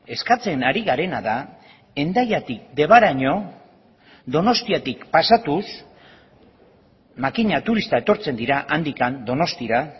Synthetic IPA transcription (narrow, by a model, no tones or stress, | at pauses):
e̞skat͡se̞naɾiɣaɾe̞naða | e̞nd̪ajat̪ik̚d̪e̞β̞aɾaɲo̞ | ðo̞no̞st̪iat̪ikpasat̪us | makiɲat̪uɾist̪ae̞t̪o̞ɾt͡se̞nd̪iɾaʔand̪ikand̪o̞no̞st̪iɾa